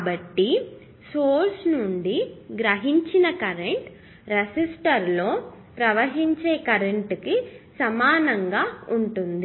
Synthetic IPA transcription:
bɐʈːi | soːɾsnuɳɖiɡɾɐɦiɲt͡ʃinɐkɐɾeɳʈ | ɾesisʈɐɾlo̞ː | pɾɐʋɐɦiɲt͡ʃe̞ːkɐɾeɳʈkisɐmaːnɐŋɡaːuɳʈund̪i

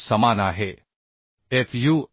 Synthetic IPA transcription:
sɐmaːnaːɦe | efʰjuː

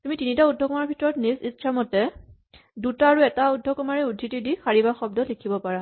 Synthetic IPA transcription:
tumitinitaudʱːɔkɔmaɹbʱitɔɹɔtnizit͡ʃʰamɔtɛ | dutaːɹuɛtaudʱːɔkɔmaɹɛudʱːitidixaɹibaxɔb̚dɔlikʰibɔpaɹa

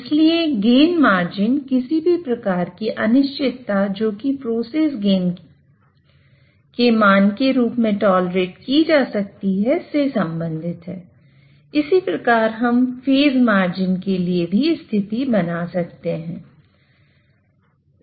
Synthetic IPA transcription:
ɪslieɡeːnmaːɾd͡ʒɪnkɪsibʱipɾɐkaːɾkiʔɐnɪʃt͡ʃɪt̪ːad͡ʒoːkipɾoːseːsɡeːn | kemaːnkeɾuːpmẽʈɔːlɾeːʈkid͡ʒaːsɐk̚t̪iɦɛsesɐ̃mbə̃nd̪ʱɪt̪ɦɛː | ɪsipɾɐkaːɾɦɐmfeːzmaːɾd͡ʒɪnkeliebʱist̪ʰɪt̪ibɐnasɐkt̪eɦɛ̃ː

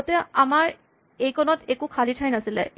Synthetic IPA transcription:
ɔtɛamaɹ | ejkɔnɔtekukʰalitʰajnasilɛ̰

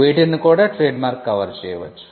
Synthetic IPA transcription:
eːʈinːukoːɽaʈɾeːɖmaːɾkːɐʋɐɾt͡ʃeːʋɐ̰t͡ʃːu̥

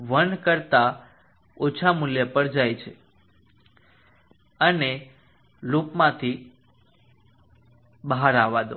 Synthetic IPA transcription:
ʋənkəɾt̪a | ot͡ʃʰamuljəpəɾd͡ʒajt͡ʃʰe | əne | lupmãt̪ʰi | bəɦaɾaʋad̪o

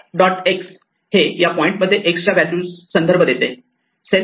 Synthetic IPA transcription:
ɖɔʈeks | hejapɔĩɳʈməd̪ʱːjeʔekst͡ɕaʋæljuːsənd̪əɾbʱəd̪et̪e | se

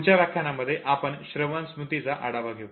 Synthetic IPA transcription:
t͡ɕjaɾakʰjanaməd̪ʱːjeʔapəɳɕɾəʋãnsmut̪it͡saʔaɽaʋaɡʱew

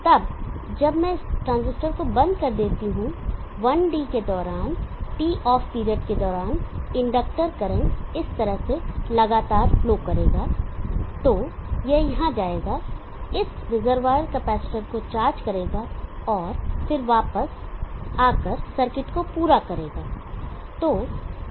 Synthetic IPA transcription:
t̪ɐb | d͡ʒɐbmɛ̃ɪsʈɾãːnzɪsʈəɾkobɐ̃nd̪̚kɐɾd̪eːt̪iɦũ | ʋɐnɖiːked̪ɔːɾaːnʈiːʔɔːfpiːɾəʈked̪ɔːɾaːnɪ̃ɳɖək̚ʈəɾkɐɾẽːɪst̪ɐɾəɦselɐɡaːt̪aːɾfloːkɐɾeːɡaːt̪oːjejɐɦãd͡ʒaːeːɡa | ɪsɾɪzəɾʋaːɾkɛpɛːsɪ̥ʈəɾkot͡ʃaːɾd͡ʒkɐɾeːɡaɔːɾfɪɾʋaːpəsaːkəɾsɐɾkɪʈkopuːɾakɐɾeːɡaː | t̪oː

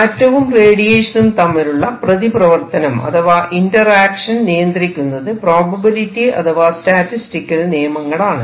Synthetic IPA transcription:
ɐtːɐʋumreːɽijeːʂɐnumt̪ɐmːiluɭːɐprɐðiprɐʋɐrt̪ɐnɐmɐ̰t̪ʰɐʋaːʔindɐraːkʂɐnnijɐnd̪rikʲːunːɐðɨproːbɐbɐɾitːiɐ̰t̪ʰɐʋaːsʈaːtːisʈikʲːɐlnijɐmɐŋːɐɭaːɳɨ

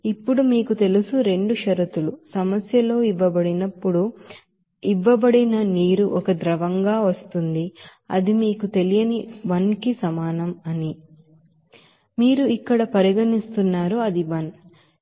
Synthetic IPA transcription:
ipːuɽumiːkut̪e̞lusuɾe̞ɳɖuʃɐɾɐt̪ulusɐmɐsjɐlo̞ːiʋːɐbɐɽinɐpːuɽu | iʋːɐbɐɽinɐniːɾuʔɔkɐd̪ɾɐʋɐŋɡaːʋɐst̪und̪iɐ̰d̪imiːkut̪e̞lijɐniʋɐnkisɐmaːnɐmɐni | miːɾuikːɐɽɐpɐɾiɡɐnist̪unːaːɾuɐd̪iʋɐn

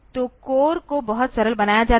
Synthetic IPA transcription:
t̪oːkoːɾkobɐɦʊt̪sɐɾəlbɐnaːjad͡ʒaː

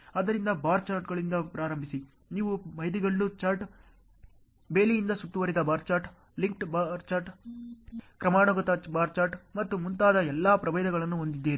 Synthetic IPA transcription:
ɐd̪ɐɾind̪ɐbaːɾt͡ʃaːɾʈɡɐɭind̪ɐpɾaːɾɐmbʱisi | niːʋumɐjd̪iɡɐɭːut͡ʃaːɾʈ | be̞ːlijind̪ɐsut̪ːuʋɐɾid̪ɐbaːɾt͡ʃaːɾʈ | liŋkʈbaɾt͡ʃaːɾʈ | kɾɐmaːɳɔɡɐt̪ɐbaːɾt͡ʃaːɾʈmɐt̪ːumunt̪aːd̪ɐɛlːaːpɾɐbɐjd̪ɐɡɐɭɐnːuɦond̪id̪ːiːɾi

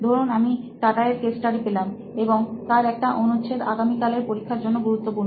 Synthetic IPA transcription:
d̪ʱoɾonamiʈaʈaeɾkesʈʈaɾipelam | eboŋt̪aɾɛk̚ʈaʔonut͡ɕʰed̪aɡamikaleɾpoɾikʰːaɾd͡ʑonːoɡuɾut̪ːopuɾno

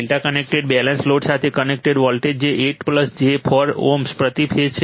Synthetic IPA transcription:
lʈakənek̚ʈeɖbɛlənsloɖsat̪ʰekənek̚ʈeɖʋɔlʈed͡ʒeʔeʈpləsd͡ʒepʰɔɾo̰mspɾət̪ipʰed͡ʒt͡ʃʰ

